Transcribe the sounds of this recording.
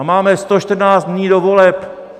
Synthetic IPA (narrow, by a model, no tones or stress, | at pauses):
maːmɛst̪oʃt̪r̩naːt͡s̪dɲiːdovolɛp